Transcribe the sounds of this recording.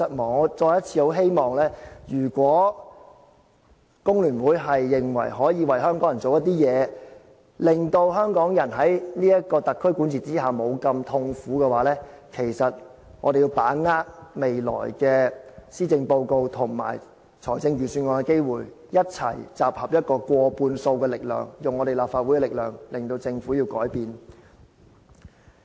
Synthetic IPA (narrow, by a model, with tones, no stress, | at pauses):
ɐ˨t̚mɔː˨˩t͡sɔː˧jɐ˥t̚t͡sʰiː˧ho˨˥wɦe˥jmɔː˨ŋlɛː˥jyː˨˩kʷwɔː˨˥ | kʊ˥ŋlyː˨˩nwuː˨˥jɦɐ˨jːɪ˨ŋwɐ̰˨˩jɦɔː˨˥jiː˧wɐ˨jɦœː˥ŋkɔː˨˥ŋjɐ˨˩nt͡so˨wjɐ˥t̪iː˥jɛː˨˧ | lɪ˨ŋt̪o˧wɦœː˥ŋkɔː˨˥ŋjɐ˨˩nɦɐ˨˥jniː˥jɐ˥t̚kɔː˧t̪ɐ˨kʰːɵ˥ɥkuː˨˥nt͡sʰiː˨t͡siː˥ɦaː˨˩mo˨˧wkɐ˧mt̪ʰʊ˧ŋfuː˨˥kɛː˧waː˨˥lɛː˥kʰe˨˩jsɐ˨t̚ | ŋɔː˨˧d̪e˨jiː˧wpaː˨˥ŋaː˥k̚me˨jlɔ̰ː˨˩jkɛː˧siː˥t͡sɪ˧ŋpo˧wko˧wt̪ʰʊ˨˩ŋma̰ː˨˩j | t͡sʰɔː˨˩jt͡sɪ˧ŋɥyː˨˩syː˧nŋɔː˧˩ŋkɛ˧ke˥jwuː˨j | jɐ˥t̚t͡sʰɐ̰˨˩jt͡saː˨p̚hɐ˨p̚jɐ˥t̚kɔː˧kʷɔː˧puː˧nso˧wkɛː˧lɪ˨k̚lœ̰ː˨˩ŋjʊ˨ŋɔ˨˧ɾe˨jlaː˨pfaː˧t̚wu˨˥jkɛ˧lɪ˨k̚lœː˨ŋlɪ˨˩ŋt̪o˧wt͡sɪ˧ŋfuː˨˥jiː˧wkɔː˨˥jpiː˨˧n